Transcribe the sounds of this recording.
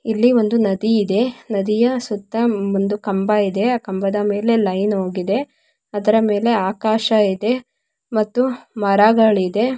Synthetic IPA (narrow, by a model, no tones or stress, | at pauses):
ilːio̞nd̪unɐd̪iːd̪e̞nɐd̪ijɐsut̪ːɐond̪ukɐmbɐid̪e̞aːkɐmbɐd̪ɐme̞ːle̞lɐjnoːɡid̪e̞ | ɐd̪ɐɾɐme̞ːle̞aːkaːʃɐid̪e̞ | mɐt̪ːumɐɾaɡaɭid̪e̞